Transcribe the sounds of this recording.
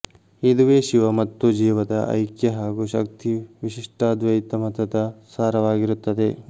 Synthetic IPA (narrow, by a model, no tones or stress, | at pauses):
id̪uʋeːʃiʋɐmɐt̪ːud͡ʒiːʋɐd̪ɐʔɐ̰jkjɐɦaːɡuʃɐk̚t̪iʋiʃiʂʈaːd̪ʋɐjit̪ːɐmɐt̪ɐd̪ɐsaːɾɐʋaːɡiɾut̪ːɐd̪e̞